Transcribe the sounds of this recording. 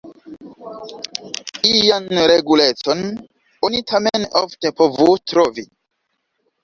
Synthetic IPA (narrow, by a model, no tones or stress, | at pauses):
ijanɾeɡulet͡son | onitʰameno̰ftepovutɾovi